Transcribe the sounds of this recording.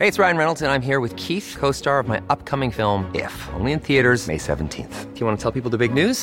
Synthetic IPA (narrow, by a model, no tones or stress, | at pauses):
heɪɨtsɹaɪɨ̃nɹɛnl̩ˠtɨ̃nãɪ̃mɦiɹwɨð̥kʰiθkʰoʊstɑɹʌvmaɪʔʌp̚kʰʌmɪ̃ŋfɪlˠmɪ̰fõ̰ʊ̃nliɨ̃nθiɨɾə˞zmḛɪsɛ̰ṽn̩tʰḭ̃nθjɨwɑ̃nətʰɛlˠpip̬l̩ˠðəbɪɡ̚nʉz̥